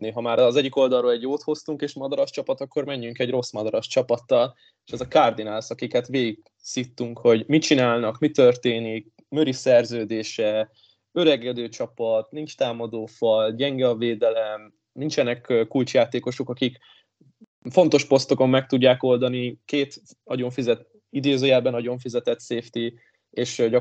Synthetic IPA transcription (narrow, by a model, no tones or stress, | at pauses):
niɦɒmaːɾɒzɛɟːiko̞ld̪ɒlrːoːlɛɟjoːt̪ho̞st̪uŋkeːʃmɒd̪ɒɾɒʃt͡ʃɒpɒt̪ɒkːo̞rmɛɲːyŋkɛɟro̞smɒd̪ɒɾɒʃt͡ʃɒpɒt̪ːɒl | eːʃɛzɒkard̪inalsɒkikɛt̪ʋeːɡik | sit̪ːuŋkho̞ɟmit͡ʃinaːlnɒkmit̪ø̞rt̪eːnik | møɾisɛrzøːd̪eːʃɛ | øɾɛɡɛd̪øːt͡ʃɒpɒt̪nint͡ʃt̪aːmɒd̪oːfɒlɟɛŋɡɛɒveːd̪ɛlɛm | nint͡ʃɛnɛkkːult͡ʃjaːt̪eːko̞ʃo̞kɒkik | fo̞nt̪o̞ʃpo̞st̪o̞ko̞mːɛk̚t̪uɟːaːko̞ld̪ɒnikeːt̪ | nɒɟo̞ɱfizɛt̪ | id̪eːzøːjɛbɛnɒɟo̞ɱfizɛt̪ɛt̪seːft̪i | eːʃɟɒ